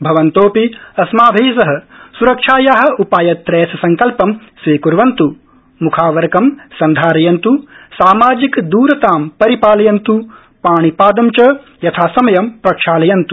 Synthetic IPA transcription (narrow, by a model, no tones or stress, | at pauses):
bʱɐʋɐnt̪oːpiɐsmaːbʱiːsɐɦɐ̆suɾɐkʂaːjaːɦɐ̆upaːjɐt̪ːɾeːsɐsɐŋkɐlpɐmsʋiːkuɾʋɐnt̪u | mukʰaːʋɐɾɐkɐmsɐnd̪ʱaːɾɐjɐnt̪usaːmaːd͡ʒikd̪uːɾɐt̪aːmpɐɾipaːlɐjɐnt̪u | paːɳ̃ipaːd̪ɐmt͡ʃɐ | jɐt̪ʰaːsɐmɐjɐmpɾɐkʂaːlɐjɐnt̪u